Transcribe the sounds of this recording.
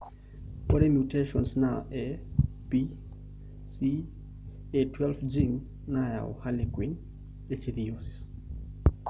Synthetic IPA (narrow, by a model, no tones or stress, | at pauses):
kɔɾɛmjuteʃɔnsnaʔɛ | pi | si | etwɛlfd͡ʒiŋ | naja̰ɔ̰halikwin | et͡ʃiðioss